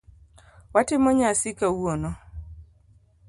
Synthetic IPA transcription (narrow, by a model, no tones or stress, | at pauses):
watɪmɔɲasɪkauonɔ